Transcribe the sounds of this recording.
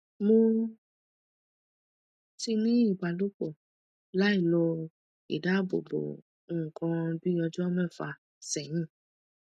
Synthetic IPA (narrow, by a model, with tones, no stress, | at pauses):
mõ˦ | ti˧nĩ˦i˦˨ɡ͡ba˨lu˦k͡po˦˨ | la˨˦i˦˨lo˧ | ḭ˨da˦˨bo̰˨bo̰˨ | ũ˦˨kã˧bi˦ɔ˧d͡ʒu˦ɔ˦mɛ̃˦˨fa˧ | sɛ̃˨ĩ˦˨